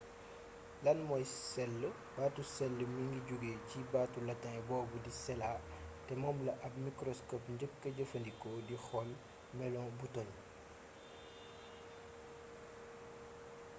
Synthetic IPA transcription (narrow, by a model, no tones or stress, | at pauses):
lɐnmɔjsɛlːə | baːtusɛlːəmiŋɡiɟuɡeːcibaːtulɐtːɐŋɛbɔːbudisɛlatɛmɔːmlɐʔɐpmikɾɔskɔpɲɟəkːəɟəfəndikɔdixɔl | mɛlɔŋbuton